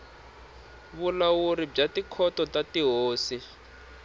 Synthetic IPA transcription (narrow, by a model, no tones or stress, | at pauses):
βulawuɾib͡ʐatikʰɔtɔtatiɦoːsi